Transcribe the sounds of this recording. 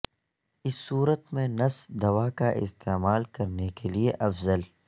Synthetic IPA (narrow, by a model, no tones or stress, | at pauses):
ɪsːuːɾət̪mẽnɐsd̪ɐwaːkaʔɪ̰st̪eːmaːlkɐɾnekelieʔɐfzəl